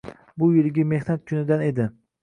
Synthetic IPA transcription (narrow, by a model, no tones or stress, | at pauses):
bʊjɪlɪɡʲɪme̞hnat̪̚kʲʰʊnɪd̪ane̞d̪ɪ